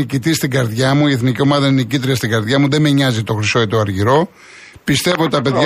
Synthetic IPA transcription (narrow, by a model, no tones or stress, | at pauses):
icit̪ist̪iɡɐɾðʝɐmuieθnicio̞mɐðɐineicit̪ɾiɐst̪iɡɐɾðʝɐmuðe̞meɲɐzit̪o̞xɾiso̞et̪o̞ɐɾʝiɾo̞ | pist̪e̞vot̪it̪ɐpe̞ðʝ